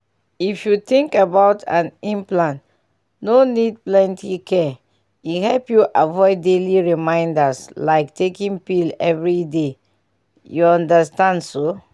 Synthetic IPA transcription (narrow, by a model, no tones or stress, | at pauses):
ifjut̪ɪ̃ŋkabaʊtʰã̰nĩmplãn | nonid̚plɛ̃ntʰikʰɛ | ihɛlpjuʔavɔɪdeliɹimãɪ̃ndaslaɪktʰekĩŋpilɛvɹide | juɔ̃ndəstãndso